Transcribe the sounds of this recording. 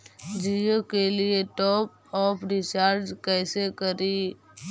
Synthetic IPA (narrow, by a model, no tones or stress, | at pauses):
d͡ʒijokelieʈɔːp̚ | ɔːpʰɾɪt͡ʃaːɾd͡ʒkɛːsekəɾi